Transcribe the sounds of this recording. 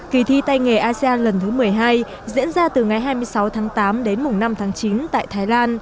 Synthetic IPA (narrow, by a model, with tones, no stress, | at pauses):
ki˨˩t̪ʰi˧t̪a˧jŋe˨˩ʔaː˧si˧ʔaː˧lə˨˩nt̪ʰɨ˨˦mɨ˨˩əjɦaː˧j | zḭ˧˥ənzaː˧t̪ɨ˨˩ŋa˨˩jɦaː˧jmɨ˧əjsa˨˦wt̪ʰaː˨˦ŋt̪aː˨˦mɗe˨˦nmʊ˨˩ŋ͡mna˧mt̪ʰaː˨˦ŋt͡ɕi˨˦nt̪a̰ː˧˨jt̪ʰaː˨˦jlaː˧n